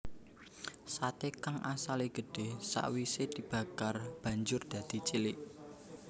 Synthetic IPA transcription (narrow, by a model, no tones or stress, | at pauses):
sat̪ekaŋʔasaliɡ̥ə̤ɖ̥e̤sa̰ʔwised̪̥i̤b̥ä̤karb̥ä̤ɲd͡ʒʊrd̪̥ä̤d̪̥i̤t͡ʃilɪʔ